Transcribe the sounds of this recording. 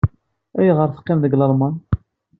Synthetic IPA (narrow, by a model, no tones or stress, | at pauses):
æjiʁəɾθə̥qːɪmðəɡləɾˤmɑn